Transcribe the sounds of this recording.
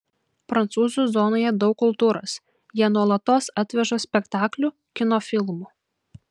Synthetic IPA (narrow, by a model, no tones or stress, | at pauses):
pɾɐnt̪suːzuˑzɔːnoːjɛd̪ɒʊkːʊlˠt̪uːɾo̰ːs | jiɛnuɔlˠɐt̪oːsɑt̪ʲʋʲɛʒoːsʲpʲɛkt̪ɑːklʲu | kʲɪnoːfʲɪlˠmuː